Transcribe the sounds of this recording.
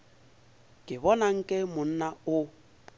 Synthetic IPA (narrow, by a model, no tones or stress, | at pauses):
kʼɪbɔnaŋ̩kʼɪmʊn̩naʊ